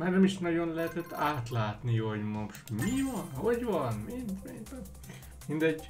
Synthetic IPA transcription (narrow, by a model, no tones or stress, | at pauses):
maːrnɛmiʃnɒɟonlɛɦɛt̪ɛt̪ːaːt̪laːt̪nihoɟmoʃmivɒnhoɟʋɒnmind̪mind̪ | mind̪ɛɟ